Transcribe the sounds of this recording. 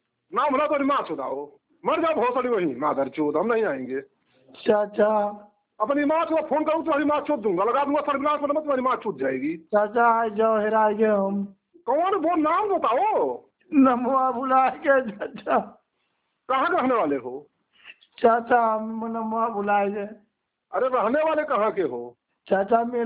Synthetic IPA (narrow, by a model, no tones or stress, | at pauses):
namblat̪oɾimat͡ʃʰot̪a̰o | məɾd͡ʒab̪ɦosəɽiwoɦĩmad̪əɾt͡ʃʰot̪ɦəmnəɦĩaĩŋɡe | t͡ʃʰaətːt͡ʃʰa | əpnimãt͡ʃʰut̪apʰonkəɾũɡt̪ɔɦəɾimãt͡ʃʰut̪̚d̪ũŋɡaləɡat̪nũasalbilãnsənmət̪manimãt͡ʃʰut̪̚d͡ʒajɡit͡ʃʰat͡ʃʰaːjd͡ʒaoɦeɾajɡeɦəm | kəneboɾnambot̪ao | nəmʋabʱulajɡet͡ʃʰat͡ʃʰa | kəɦãkeɾəɦneʋaleɦo | t͡ʃʰat͡ʃʰammənəmwabʱulajɡe | əɾeɾəɦneʋalekəɦãkeɦo | t͡ʃʰat͡ʃʰame